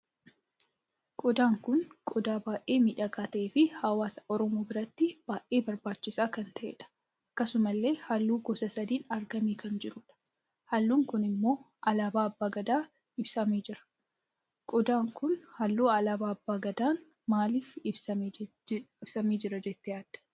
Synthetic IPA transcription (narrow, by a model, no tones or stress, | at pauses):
kʼɔd̪aːŋkʊnkʼɔd̪aːbaːʔe̞ːmiːᶑɐkaːt̪ɐʔeːfɪhɐwaːsɐ̥ʔɔɾɔmoːbɪɾɐt̪ːɪb̥aːʔe̞ːbɐɾbaːt͡ʃːɪsaːkɐnt̪ɐʔeːᶑɐ̥ | ɐkːɐsʊmɐlːe̞ːhɐlːuːɡɔsɐsɐd̪iːnɐɾɡɐmiːkɐnd͡ʒɪɾʊᶑɐ̥ | hɐlːuːŋkʊnɪmːo̞ː | ʔɐlaːbaːɐbːaːɡɐd̪aː | ɪbsɐmeːd͡ʒɪɾɐ̥ | kʼɔd̪aːŋkʊnhɐlːuːɐlaːbaːɐbːaːɡɐd̪aːn | maːliːfɪbsɐ | ɪbsɐmiːd͡ʒɪɾɐd͡ʒɛt̪ːɪjaːd̪̥ɐ̥